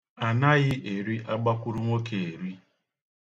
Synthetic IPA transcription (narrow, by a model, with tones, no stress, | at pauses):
a˨na˦ɣɪ˦ʔe˨ɾi˦ʔa˦ɡ͡ba˦kʷu˦ɾu˦ŋʷo˦ke˨e˨ɾi˦